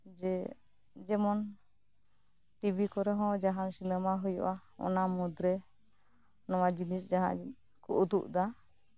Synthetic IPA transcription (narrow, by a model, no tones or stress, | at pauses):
d͡ʒɛ | d͡ʒɛmɔn | ʈibikɔɾɛɦɔ̃d͡ʒaɦaŋsinɛmaɦɔjɔ̰ʔaɔ̰namɔd̪ɾɛ | nɔwad͡ʒinisd͡ʒaɦã̰ʔ | kɔ̰ʔud̪uʔd̪a